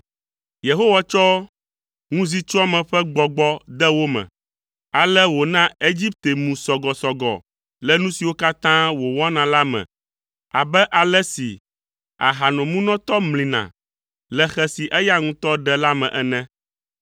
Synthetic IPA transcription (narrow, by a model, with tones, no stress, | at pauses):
je˨ɦo˦wa˨t͡ʃɔ˦ | ŋũ˦zi˦t͡ʃɔ˦a˦mɛ̃˨ɸɛ˦ɡ͡bɔ˨ɡ͡bɔ˦d̪ɛ˦wo˦mɛ̰̃˨ | a˨lɛ˦wo˨nã˦e˦d͡ʑi˦p̚t̪e˨mũ˨sɔ˨ɡɔ˨sɔ˨ɡɔ̰˨ | lɛ˦nũ˦si˨wo˦ka˦t̪ã˦wo˨wɔ˦nã˨la˦mɛ̰̃˨ | a̰˨bɛ˦ʔa˨lɛ˦si˨ | a̰˨ɦa˨nɔ̃˨mũ˦nɔ̃˦t̪ɔ˦mlĩ˨nã̰˨ | lɛ˨xɛ˨si˨ʔɛ˦ja˦ŋũ˦t̪ɔ˦ɖɛ˦la˦mɛ̰̃˨ʔɛ˨nɛ̃˦